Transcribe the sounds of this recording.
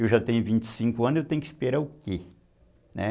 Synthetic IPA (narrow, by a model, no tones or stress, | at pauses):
ewʒat̪ẽj̃ʊvĩnt͡ʃɪ̥sĩŋkʊɐ̃nzewt̪ẽj̃ʊki̥speɾaʊke | nɛ̰